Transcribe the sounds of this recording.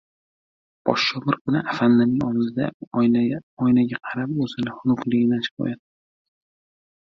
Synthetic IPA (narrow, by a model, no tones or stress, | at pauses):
b̥ɒ̰ʃt͡ʃɒbɪɾkʰʊnɪʔafanːamɪŋɒwɪzɪd̪a̰ | ɒjnaɡʲaqʰɑɾapɵzɪnɪhʊnʊqlˠɪɡʲɪnat͡ʃʰɪ̥pɒ̰jad̪̚ɪ